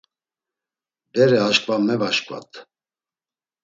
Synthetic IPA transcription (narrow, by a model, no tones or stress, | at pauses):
bɛɾɛaʃkʼvamɛvaʃkʼva̰t̪ʰʼ